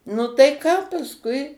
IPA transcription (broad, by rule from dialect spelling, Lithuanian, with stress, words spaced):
nʊ tɐɪ ˈkɑː pɐsˈkʊɪ